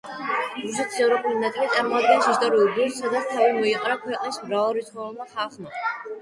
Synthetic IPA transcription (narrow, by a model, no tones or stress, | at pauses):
ɾusɛt̪ʰi̥sɛvɾɔpʼulinat̪sʼilit̪sʼaɾmɔad̪ɡɛnsist̪ʼɔɾiuɾɡulˠsːad̪at̪st̪ʰavimɔiqʼɾakʰwɛqʼnismɾavˠɾit̪sʰχɔɛlˠmaχalˠχma